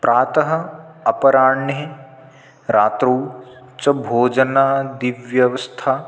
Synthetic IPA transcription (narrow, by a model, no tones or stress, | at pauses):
pɾʔaːt̪ɐɦɐ̆ | ɐpɐɾaːɳjɐe | ɾaːt̪ɾuː | t͡ʃɐbʱoːd͡ʒɐnaːd̪iʋjɐʋɐst̪ʰaː